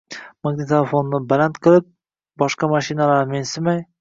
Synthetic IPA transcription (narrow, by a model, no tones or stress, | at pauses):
maɡnit̪ʰelefonːɪbalant̪qʰɨlˠɪp̚ | bɒʃqɑmaʃɪnalaɾmensɪmaj